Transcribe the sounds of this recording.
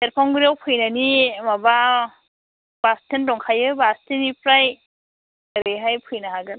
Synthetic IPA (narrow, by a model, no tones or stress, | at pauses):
seɾpʰɔŋɡɾawpʰɯjnanimaba | b̥astʰendɔŋkʰajɯbastʰinipɾaj | ɯɾeɦajpʰɯjnaɦaɡɯn